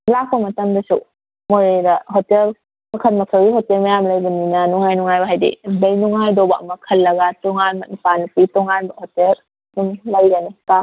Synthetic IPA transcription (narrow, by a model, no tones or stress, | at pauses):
lak̚pɐmɐtɐmdɐsṵ | moɾedɐɦotel | mɐkʰɐnmɐkʰɐlɡiɦotelmɐjamlɐjbɐninanuŋhajnuŋajbɐɦajdḛdɐjnuŋɦajdɔbɐʔɐ̰mɐkʰɐlːɐɡatɔŋanmɐt̚nipanupitɔŋanbɐhɔtel | numlajɡanika